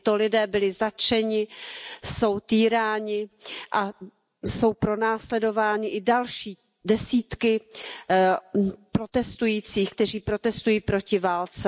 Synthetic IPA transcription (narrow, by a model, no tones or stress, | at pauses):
t̪o̞lɪdɛːbɪlɪzat͡ʃɛɲɪso̞wt̪iːɾaːɲɪʔa | so̞wpɾo̞naːslɛdo̞vaːɲɪʔɪdalʃiː | dɛsiːt̪kɪ | pɾo̞t̪ɛst̪ujiːt͡siːxk̚t̪ɛr̝iːpɾo̞t̪ɛst̪ujiːpɾo̞cɪvaːlt͡sɛ